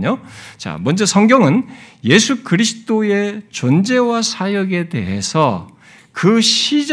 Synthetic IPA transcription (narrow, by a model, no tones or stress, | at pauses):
ɲot͡ɕa̰mʌnd͡ʑʌsʰʌŋɡjʌŋɯnje̞sʰukɯɾisʰɯ̥t͈oet͡ɕond͡ʑe̞wasʰajʌɡe̞te̞̰ɦe̞̰sʰʌ | kɯɕʰid͡ʑ